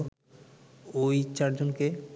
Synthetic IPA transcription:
ojt͡ɕaɾd͡ʑonke

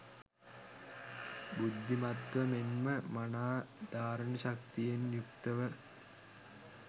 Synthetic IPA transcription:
bud̪ʱːimɐt̪ʋɐmenməmɐnaːd̪̥aːɾɐɳɐɕɐk̚t̪ijenjukt̪ɐʋə

